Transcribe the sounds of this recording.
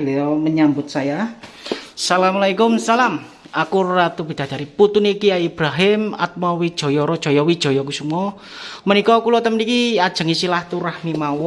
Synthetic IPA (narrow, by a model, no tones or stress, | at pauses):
lɔməɲambʊt̪̚saja | salamalaikʊmsalam | akurat̪ub̥i̤d̪̥a̤d͡ʒ̥aɾiput̪unikiaib̥ɾaɦɪma̰t̪̚mɔwid̥ʒ̥ɔ̤jɔɾɔd̥ʒ̥ɔ̤jɔwid̥ʒ̥ɔ̤jɔkusumɔ | mənikɔkulɔt̪əmnikiad̥ʒ̥ə̤ŋisilaht̪uɾahmimawɔ